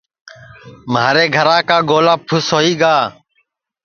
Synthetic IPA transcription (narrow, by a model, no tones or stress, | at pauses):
maːɾeːɡʱəɾãːkaːɡoːlãːpʰʊsɦoːiːɡaː